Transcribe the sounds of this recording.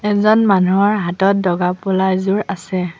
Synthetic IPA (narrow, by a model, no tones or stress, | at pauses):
ɛzɔnmanuɔɹɦatɔt̚dɔɡapʊlajzuɹasɛ